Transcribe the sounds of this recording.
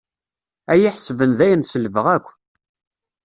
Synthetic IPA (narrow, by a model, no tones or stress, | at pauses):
æjiħəsvənðæjənsəlvəʁækʷː